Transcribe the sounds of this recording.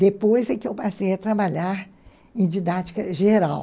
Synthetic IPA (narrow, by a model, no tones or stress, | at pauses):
d̪epojzɐkɪewpasejɐt̪ɾabaʎaɾ | ẽd͡ʒid̪at͡ʃi̥kɐʒeɾa̰w